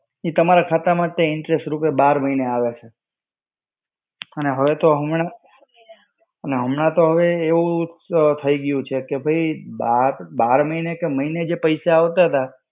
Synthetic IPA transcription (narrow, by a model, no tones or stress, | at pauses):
it̪əmaɾakʰat̪amãt̪eɪɳʈɾesʈɾupebaɾməɦineaʋet͡ʃʰe | əneɦəʋet̪oɦəmɳa | əneɦəmɳãt̪oɦəʋeːʋũt̪ʰəiɡəjũt͡ʃʰekebʱəibaɾbaɾməɦinekeməɦined͡ʒepəisaaʋt̪aɦət̪a